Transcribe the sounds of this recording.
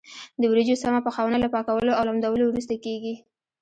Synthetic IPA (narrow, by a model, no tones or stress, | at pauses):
d̪əwɾid͡ʒosamapəxawnalapɑkawəloawlamd̪awəlowɾus̬t̪akeɡi